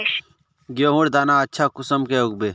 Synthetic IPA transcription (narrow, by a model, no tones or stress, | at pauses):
ɡjoːɦũɽd̪aːnaɐtːʃʰakʊsəmkeʊɡ̚beː